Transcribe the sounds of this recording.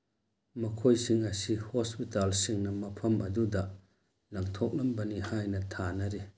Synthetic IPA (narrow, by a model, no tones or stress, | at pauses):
mɐkʰojsiŋɐsihospitalsiŋnɐmɐpʰɐmɐdudɐ | lɐŋtʰɔk̚lɐmbɐnihajnɐtʰanɐɾe